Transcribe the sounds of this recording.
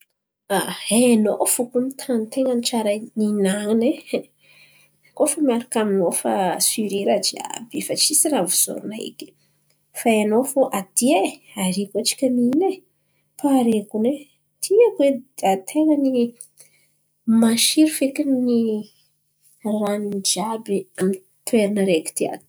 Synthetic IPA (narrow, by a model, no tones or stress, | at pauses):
aeno̰fukunit̪ʰant̪eŋənit͡ʃaɾaninaŋine | kofamiaɾakaminofasyɾiɾad͡ʒia̰befat͡ʃisiɾavuz̥o̰ɾunaḭkʲi̥ | faenofoʔad̪ie | aɾikuat͡ʃi̥kəmine | paɾekune | t̪ʰiakweat̪ʰeŋəni | maʃiɾufekinni | ranind͡ʒabiami | t̪ueɾinaɾeki̥t̪ia̰d̪u̥